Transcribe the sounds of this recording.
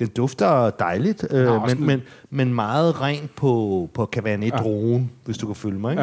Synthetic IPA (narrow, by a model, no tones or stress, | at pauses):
d̥end̥ɔ̽fd̥ɐd̥ɑ̈ɪlid̥ømenmenmenmɑ̈ːð̞̩ˠʁand̥̚pʰɒ̽pʰɒ̽kʰæʋæːɐned̥ʁoːnʋe̝sd̥ukʰæføljəmɑ̈ɪeɡ